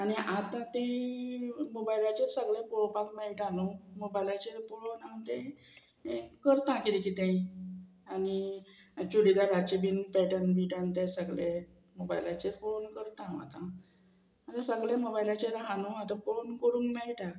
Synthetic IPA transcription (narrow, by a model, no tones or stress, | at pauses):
aɽ̃iʔat̪ãt̪ẽ | mobailat͡ɕeɾsəɡɭjapoɭopak̚mɛɭʈanomobailat͡ɕeɾpoɭonant̪ẽ | kəɾt̪ãkit̪ikit̪ẽ | ani | t͡ɕuɽiɡ̪aɾat͡ɕebiːnpɛʈənbiʈənt̪ẽsəɡɭe | moba̰jlat͡ɕeɾfonkəɾt̪ãa̰t̪ã | at̪ãsəɡɭjemobailat͡ɕeɾaɦanoat̪ãfonkəɽũːŋkmɛɭʈa